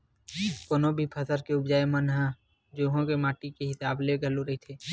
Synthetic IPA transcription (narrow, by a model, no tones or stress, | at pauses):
koːnobʱipʰəsəɾkeʊbd͡ʒaːemənɦə̃ | d͡ʒoːɦõkemaːʈikeɦɪsaːbleɡʱəloɾəɦit̪ʰeː